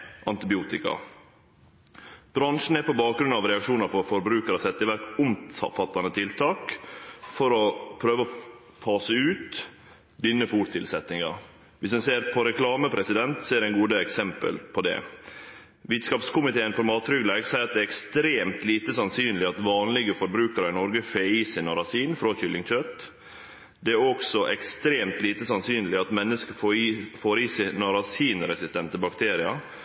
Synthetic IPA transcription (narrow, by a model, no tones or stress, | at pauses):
ʔɑnt̪ɪbɪuːt̪ɪkɑ̰ | b̥ɾɑnʂn̩æɾpɔbɑːk̚ɡɾʉnɑʋɾɛɑkʂuːnɑɾfɔɾfɔɾbɾʉːkəɾəsɛt̪ːɪʋæɾkʊmʰɑ̰fɑt̪ːɑnət̪ʰɪlt̪ʰɑːkfɔɾɔpʰɾøːʋəɔ | fɑːsəʉːt̪ | d̪ʏnːəfuːʈt̪ʰɪlsɛt̪nɪŋɑ̰ | ʋɪsd̪ɛnseːɾpʰɔɾɛklɑːməpʰɾɛsɪd̪ɛnt̪seːɾɛɪnɡuːd̪əɛksɛmpə̰lpʰɔd̪ɛ̰ | ʋɪt̪skɑːpskʊmɪt̪ʰeːɪnfɔɾmɑːt̪ʰɾʏɡlæɡsæɪɑt̪̚d̪ɛːɾɛkst̪ɾeːmt̪liːt̪əsɑnsyːnlɪɑt̪ʋɑːnlɪɡəfɔɾbɾʉːkəɾɑnɔɾɡəfeːiːsɪnɑɾɑsiːnfɾoçʏlːɪŋc͡çœt̪ | d̪ɛæɾɔksɔʔɛkst̪ɾeːmt̪liːt̪əsɑnsyːnəlɪɑt̪mɛnːəskəffoːɾiːsɪnɑɾɑsiːnɾɛsɪst̪ɛnt̪əbɑkt̪ʰeːɾɪɑ